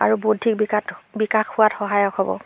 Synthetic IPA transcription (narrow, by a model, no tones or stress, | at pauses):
a̰ɹubodʱik̚bibikaxʊatxɔɦajɔkɔbɔ̰